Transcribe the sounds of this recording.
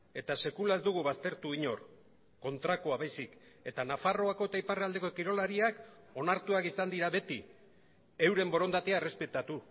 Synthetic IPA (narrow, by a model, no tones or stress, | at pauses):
e̞t̪ase̞kulae̞zd̪uɣ̞uβast̪e̞ɾt̪uiɲo̞ɾ | ko̞nt̪ɾakoaβajsik | e̞t̪anafaro̞ako̞et̪aiparald̪e̞kokiɾo̞laɾiak | o̞naɾt̪uakisand̪iɾaβe̞t̪i | e̞wɾe̞mbo̞ɾo̞nd̪at̪eare̞spe̞t̪at̪u